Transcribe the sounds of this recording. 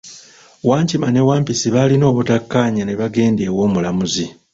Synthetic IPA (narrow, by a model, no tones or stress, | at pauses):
waːɲcimane̞waːmpisiβalino̞ːβutakːaːɲane̞βaɡe̞ːnde̞ːwo̞ːmulamuzi